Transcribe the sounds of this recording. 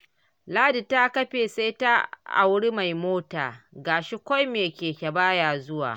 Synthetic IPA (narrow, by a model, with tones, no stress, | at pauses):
laː˦di˨ta˦kɐ˦ɸeː˨sa˦jta˦ʔa̰˨wɽi˦ma˨jmoː˦ta̰ː˨ɡaː˨ʃi˦kʷa˦jmeː˨kʲeː˨kʲa˨baː˦jaː˨zʊ˦wa̰ː˨